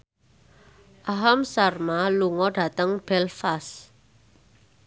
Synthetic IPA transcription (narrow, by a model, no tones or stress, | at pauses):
ʔaɦamsarmaluŋɔɖ̥ä̤t̪əŋb̥ɛlfas